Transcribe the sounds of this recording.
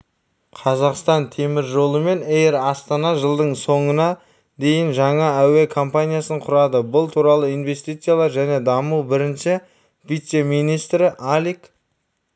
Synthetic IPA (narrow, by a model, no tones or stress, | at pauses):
qʰɑzɑqst̪ɑnt̪ʰe̞mɪɾʒo̞lˠəme̞nejɾɑst̪ɑnɑʒəlˠd̪əɴso̞ɴənɑ | d̪e̞jɪnʒɑɴɑæwe̞kʰompanʲijasəɴqʰʊɾɑd̪əbʊlˠt̪ʰuɾɑlˠəijnve̞st̪ijt̪sɨjalˠɑɾʒæne̞d̪ɑmuwbɪɾɪnʃɪ | vijt̪se̞mijnijst̪ɾɪʔalʲik